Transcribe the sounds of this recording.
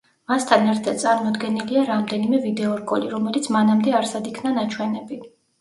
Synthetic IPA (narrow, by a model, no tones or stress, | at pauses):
mast̪ʰanɛɾt̪ʰad̪̥̚t̪sʼaɾmɔd̪ɡɛniliaɾamd̪ɛnimɛvid̪ɛɔɾɡʼɔliɾɔmɛlit̪sʰmanamd̪ɛaɾsad̪ikʰnanat͡ʃʰwɛnɛbi